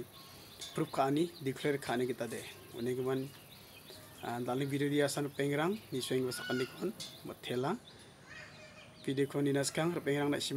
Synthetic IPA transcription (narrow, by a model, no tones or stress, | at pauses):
pʰɾup̚kʰaːnidikʰleɾkʰaniɡitade | ṵneɡiman | dalibidodiasanɾɯpeŋɾaŋniswejŋbasakandikʰɔnmɔ̰tʰːela | pidikʰɔnːinaskʰaŋɾɔpeŋɾaŋna̰sim